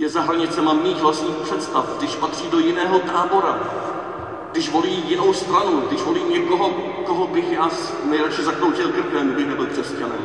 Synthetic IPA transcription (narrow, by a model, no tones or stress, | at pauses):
jɛzaɦɾaɲɪt͡sɛmamɲiːxvlast̪ɲiːxpr̥ɛt̪st̪afɡdɪʃpat̪r̝̥iːdo̞jɪnɛːɦo̞t̪aːbo̞ɾa | ɡdɪʃvo̞liːjɪno̞wst̪ɾanuɡdɪʃvo̞liːmɲɛko̞ɦo̞ | koɦobɪxjaːs | nɛjɾɛt͡ʃɪzakɾowcɪlkɪɾkɛmɡbɪxnɛbɪlkr̥ɛscanɛ̰m